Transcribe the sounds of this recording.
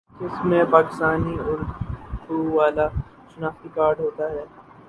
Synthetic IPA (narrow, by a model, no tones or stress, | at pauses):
ɪsmẽpaːkɪst̪aːniʊɾdd̪uʋaːla | ʃʊnaːxt̪ikaːɾɖɦoːt̪aɦɛː